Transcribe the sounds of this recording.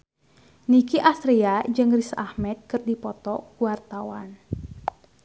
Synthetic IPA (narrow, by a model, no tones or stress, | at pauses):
nikiʔast̪ɾiad͡ʒɨŋrisahmɛt̪̚kɨrdipɔt̪ɔkuwart̪awa̰n